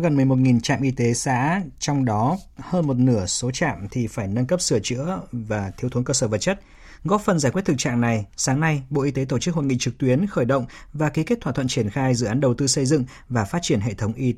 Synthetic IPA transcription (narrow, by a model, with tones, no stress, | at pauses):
ɣə˨˩nmɨ˨˩əjmo˨˩t̚ŋi˨˩nt͡ɕa̰ː˧˨mʔi˧t̪e˨˦sa̰ː˧˥t͡ɕɔ˧wŋ͡mɗɔ˨˦həː˧nmo˨˩t̚nɨ˧˩əso˨˦t͡ɕa̰ː˧˨mt̪ʰi˨˩faː˧˩jnə˧nkə˦˥p̚sɨ˧˩ət͡ɕɨ̰˧˥əvaː˨˩t̪ʰi˦wt̪ʰu˨˦kəː˧səː˧˩və˨˩t̚t͡ɕə˦˥t̚ | ɣɔ˦˥p̚fə˨˩nzaː˧˩kwt̪̚ɨ˨˩k̚t͡ɕa̰ː˧˨ŋna˨˩jsaː˨˦ŋna˧jɓo̰˧˨ʔi˧t̪e˨˦t̪o˧˩t͡ɕɨ˦˥k̚ho˧˩nŋḭ˧˨t͡ɕɨ˨˩k̚t̪wi˨˦ənxəː˧˩jɗə̰˧˨wŋ͡m | vaː˨˩ki˨˦ke˦˥t̚t̪ʰaː˧˩t̪ʰə̰˧˨nt͡ɕi˧˩ənxaː˧jzɨ̰˧˨ʔaː˨˦nɗə˨˩wt̪ɨ˧sə˧jzɨ̰˧˨ŋ | vaː˨˩faː˦˥t̚t͡ɕi˧˩ənɦḛ˧˨t̪ʰə˨˦wŋ͡mʔi˧